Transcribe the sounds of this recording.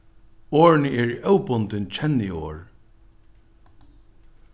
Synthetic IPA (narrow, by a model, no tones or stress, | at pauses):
oːɹnəɛɹiʔœwpʊnt̪ɪnt͡ɕʰɛnːio̰ːɹ